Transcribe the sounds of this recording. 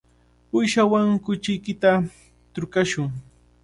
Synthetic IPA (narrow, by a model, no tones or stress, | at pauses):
ʊjʃawaŋkʊt͡ʃɪjkɪt̪a | t̪ɾʊkaʃʊŋ